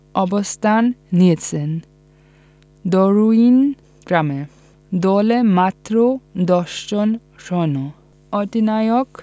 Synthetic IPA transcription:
ɔbɔst̪ʰanːiet͡sʰen | d̪ɔɾuin | ɡ̥ɾame | d̪ɔlemat̪ɾod̪ɔʃd͡ʒɔn | ɾɔnɔ | ɔd̪inajɔk

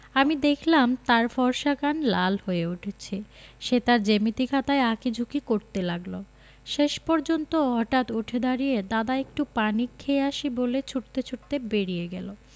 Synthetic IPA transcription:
amid̪ekʰlamt̪aɾfɔɾʃakanlalhoeuʈʰet͡ɕʰe | ʃet̪aɾd͡ʑemit̪ikʰat̪aeakid͡ʑʱukikoɾt̪elaɡlo | ʃeʃpɔɾd͡ʑont̪oɦɔʈat̪uʈʰed̪aɾijed̪ad̪aek̚ʈupanikʰːeeaʃibolet͡ɕʰuʈt̪et͡ɕʰuʈ̚t̪ebeɾijeɡɛlo

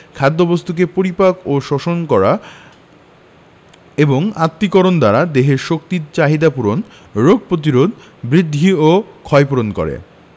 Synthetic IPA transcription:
kʰad̪ːobost̪uk̬epoɾipakoʃɔʃonkɔɾa | eboŋat̪ːikoɾond̪aɾad̪eɦeɾʃok̚t̪iɾt͡ɕaɦid̪apuɾon | ɾoɡ̚ʱpɾot̪̬iɾod̪ | bɾid̪ʱːiokʰɔepuɾonkɔ̰ɾḛ

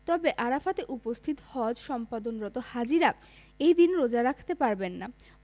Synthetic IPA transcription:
t̪ɔbeʔaɾafat̪eʔupost̪ʰit̪hɔd͡ʑʃɔmpad̪onɾɔt̪ohad͡ʑiɾa | ejd̪inɾod͡ʑaɾakʰt̪epaɾbenːa

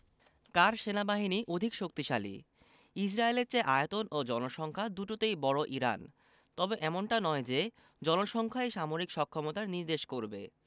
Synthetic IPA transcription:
kaɾʃenabaɦiniʔod̪ʱikʃok̚t̪iʃalḭ | isɾaeleɾt͡ɕeʔaet̪onod͡ʑɔnoʃɔŋkʰad̪uʈot̪ejbɔɽoʔiɾa̰n | t̪ɔbeʔɛmonʈanɔed͡ʑe | d͡ʑɔnoʃɔŋkʰaeʃamoɾikʃɔkʰːɔmot̪aɾniɾd̪eʃkoɾbḛ

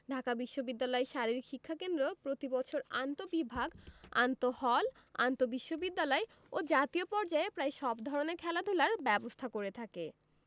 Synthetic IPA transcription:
ɖʱakabiʃːobid̪ːalɔeʃaɾiɾikʰikʰːakend̪ɾopɾot̪ibɔt͡ɕʰoɾant̪obibʱaɡa̰nt̪ohɔl | a̰nt̪obiʃːobid̪ːalɔe | od͡ʑat̪iopɔɾd͡ʑaepɾaeʃɔbd̪ʱɔɾoneɾkʰɛlad̪ʱulaɾbɛbost̪ʰakoɾet̪ʰake

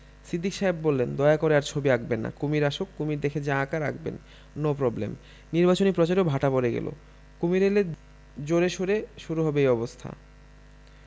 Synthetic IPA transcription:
sid̪ʱːikʃaɦebːolːend̪ɔeakoɾeaɾt͡ɕʰobiakbenːa̰kumiɾaʃokːumiɾd̪ekʰed͡ʑãkaɾakʰbḛn | nopɾɔblḛm | niɾbat͡ɕonipɾɔt͡ɕaɾobʱaʈapoɾeɡɛ̰lo̰ | kumiɾele | d͡ʑoɾeʃoɾeʃuɾuɦɔbeejɔbost̪ʰa̰

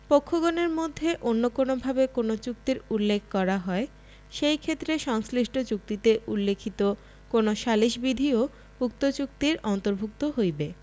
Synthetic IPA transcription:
pokʰːoɡoneɾmod̪ʱːeʔonːokonobʱabekonot͡ɕuk̚t̪iɾulːekʰkɔɾaɦɔe | ʃejkʰet̪ːɾeʃɔŋsliʃʈʰot͡ɕuk̚t̪it̪eʔulːekʰit̪o | konoʃaliʃbid̪ʱio | uk̚t̪ot͡ɕuk̚t̪iɾɔnt̪oɾbʱuk̚t̪oɦojbe

